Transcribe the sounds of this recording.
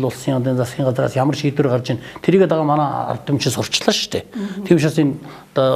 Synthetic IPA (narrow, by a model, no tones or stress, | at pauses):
ɮʊɮsiːŋant̪̬iːnt͡sasʲiːŋɢat͡sra̰ːsjamə̆rʃiːt̪wɘ̆rɢart͡ɕɪ̆nt̪ʰeɾiːɣeːt̪aʁaːmanæːa̰rt̪ɪ̆mt͡ɕɪ̆nsʊr̥t͡ɕɮə̆ʃt̪ʰḛːt̪ʰiːmʃasin | t̪ɔ